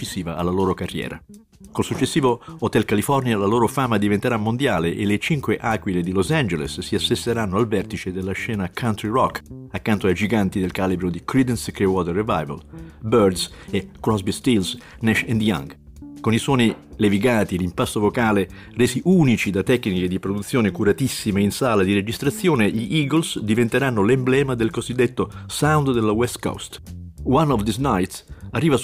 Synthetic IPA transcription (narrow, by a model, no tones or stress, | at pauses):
sːiːvaʔalːaloːɾokarːjɛ̰ːɾa̰ | kolsut͡ʃːesːiːvoot̪ɛlkalifɔrnjalaloːɾofaːmad̪ivent̪eɾamːond̪jaːleʔelet͡ʃiŋkweʔaːkwiled̪ilosand͡ʒelḛsːiasest̪eɾanːoalvɛrt̪it͡ʃed̪elːaʃːɛːnakʰant̪ɾirɔkːakːant̪oajd͡ʒiɡant̪id̪elkalibɾod̪ikɾid̪ɛnskɾewɔt̪ɛrevajva̰lbørd̪sekɾɔzbist̪ils | nɛʃɛnd̪ja̰ŋ | koniswɔːnileviɡaːt̪ilimpast̪ovokaːle | reːsiʔuːnit͡ʃid̪at̪ːɛkːniked̪ipɾod̪ut̪sːjoːnekuɾat̪isːimeinsaːlad̪iɾed͡ʒist̪ɾat̪sːjoːneʎiʔiːɡolsd̪ivent̪eɾanːolemblɛːmad̪elkozid̪ːet̪ːosawnd̪d̪elːawɛst̪ko̰st̪wanːɔvd̪iznajt̪sarːiːva